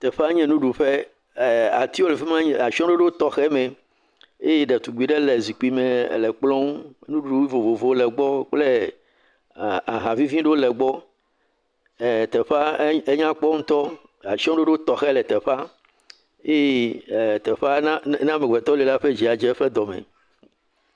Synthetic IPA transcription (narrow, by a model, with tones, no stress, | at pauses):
t̪ɛ˨ɸa˦ɲɛ̃˦nũ˦ɖu˨ɸe˦˨ | a˨t̪i˦wo˦le˨fe˦mã˦ɲ˨a˨ʃi˦ɔ̃˦ɖo˦ɖe˦t̪ɔ˨xɛ˦mẽ˨ | e˦je˦ɖe˨t̪u˨ɡ͡bi˨ɖe˦le˨zi˨k͡pi˨me˨le˨k͡plɔ̃˦ŋ˦nũ˦ɖu˦vo˨vo˨vo˨˦lɛ˨ɡ͡bɔ˦k͡ple˦ | a˨ɦã˨vi˦vĩ˦ɖe˦wo˦lɛ˨ɡ͡bɔ˦˨ | t̪ɛ˨ɸa˦e˦ɲã˦k͡pɔ˦ŋ̩̃˦t̪ɔ˦ | a˨ʃɔ̃˦ɖo˦ɖe˦o˦t̪ɔ˨xɛ˦lɛ˨t̪ɛ˨ɸa˦ | e˦e˦˨t̪ɛ˨ɸa˦n˦nã˦me˨ɡ͡be˨t̪ɔ˦li˦la˦ɸe˦d͡ʒi˨a˨d͡ʒɛ˦ɸe˦d̪ɔ˨mḛ̃˨